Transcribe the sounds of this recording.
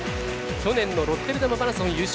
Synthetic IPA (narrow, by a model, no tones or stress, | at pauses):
kʲo̞nẽ̞nːo̞ɾo̞t̪ːeɾɯ̟d̪amabaɾãsɨõjɯːɕ